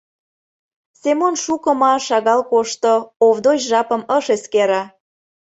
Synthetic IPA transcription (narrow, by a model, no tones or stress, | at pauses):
semonʃukə̆mɑʃɑɣɑlkoʃt̪oovd̪ot͡ɕʒɑpə̆məʃeskeɾɑ